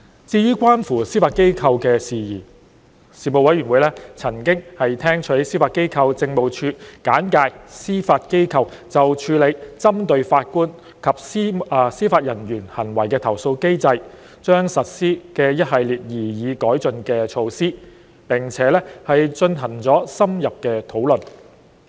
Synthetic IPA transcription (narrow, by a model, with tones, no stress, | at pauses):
t͡siː˧jyː˥kʷwaː˥nfuː˨˩siː˥faː˧t̚ke˥jkʰɐ˧wkɛː˧siː˨jiː˨˩ | siː˨mo˨˧wɐ˨˥jɥyː˨˩nwuː˨˧jlɛː˥t͡sʰɐ˨˩ŋkɪ˥ŋhɐ˨jt̪ʰɛː˥ŋt͡ʃʰɵ˨˥siː˥faː˧t̚ke˥jkʰɐ˧wt͡sɪ˧ŋmo˨wt͡ʃʰyː˧kaː˨˥nkaː˧jsiː˥faː˧t̚ke˥jkʰɐ˧wt͡sɐ˨wt͡ʃʰyː˨˧le˨˧jt͡sɐ˥mt̪ɵ˧ɥfaː˧t̚kuː˥n | kʰɐ˨p̚si˥siː˥faː˧t̚jɐ˨˩njyː˨˩nhɐ˨˩nwɐ˨˩jkɛː˧t̪ʰɐ˨˩wso˧wke˥jt͡sɐ˧j | t͡ʃœː˥ŋsɐ˨t̚siː˥kɛː˧jɐ˥t̚hɐ˨jliː˨˩t̚jiː˨˩jiː˨˧kɔː˨˥jt͡sɵ˧nkɛː˧t͡ʃʰo˧wsiː˥ | pɪ˨˩ŋt͡sʰɛː˨˥lɛː˥hɐ˨jt͡ʃɵ˧nɦɐ˨˩ŋt͡sɔː˨˥sɐ˥mjɐ˨p̚kɛː˧t̪ʰo˨˥wlɵ˨˩n